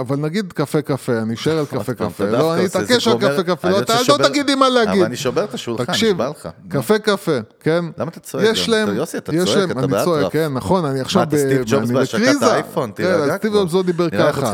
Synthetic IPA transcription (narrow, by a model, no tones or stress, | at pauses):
avalnaɡid̪kafekafe̞aniʃoeʁalkafekafelloaniit̪akeʃalkafekafeloat̪allot̪aɡid̪imaleaɡid̪niʃoeʁt̪aʃult̪akʃivlakafe̞kafe̞kenlamt̪at͡sjeʃlaemt̪jeʃlaemannit͡soekːenːaχo̞naniaχʃavbenibeʁzafokenazst̪ivdomzlod̪ibeʁkaχa